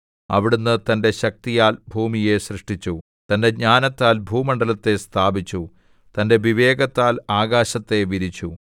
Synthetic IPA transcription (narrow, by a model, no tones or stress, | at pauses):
ɐ̰ʋiɽunːɨt̪ɐnde̞ɕɐk̚t̪ijaːlbʱuːmije̞ɕrɨʂʈit͡ɕːu | t̪ɐnde̞ɲaːnɐt̪ːaːlbʱuːmɐɳɖɐlɐt̪ːe̞st̪ʰaːbit͡ɕːu | t̪ɐnde̞ʋiʋe̞ːɡɐt̪ːaːlaːɡaːɕɐt̪ːe̞ʋiɾit͡ɕːu